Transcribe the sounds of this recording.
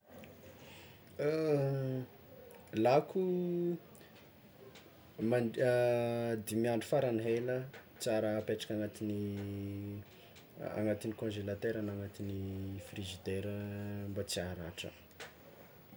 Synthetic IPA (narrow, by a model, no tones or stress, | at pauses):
lakʰu | ma | d̪emiaɳɖ͡ʐufaɾaniɦelə | t͡saɾəpeʈ͡ʂḁkʲaŋat̪ini | a̰ŋat̪inikõʒelat̪eɾanaŋat̪inifriʒid̪eɾəmbat͡siaɾaʈ͡ʂə̰